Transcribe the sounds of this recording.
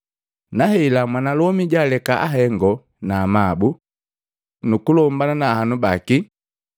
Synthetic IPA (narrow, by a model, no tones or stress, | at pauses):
nahɛilamwanalɔmiɟalɛkaʔaɦɛŋɡɔ | naːmabu | nukulɔmbananahanubaki